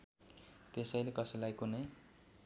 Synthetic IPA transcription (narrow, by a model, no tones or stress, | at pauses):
t̪esʌjlekʌsʌlajkune